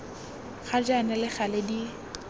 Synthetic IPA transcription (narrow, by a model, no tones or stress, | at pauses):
χad͡ʒanɛlɪχaledi